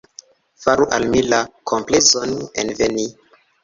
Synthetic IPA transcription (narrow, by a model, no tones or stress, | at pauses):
faɾuʔalmilakʰo̞mplezo̞nḛnveni